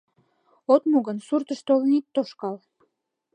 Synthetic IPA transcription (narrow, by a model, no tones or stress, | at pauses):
ot̪muɣənsurt̪əʃt̪olnit̪ːoʃkɑl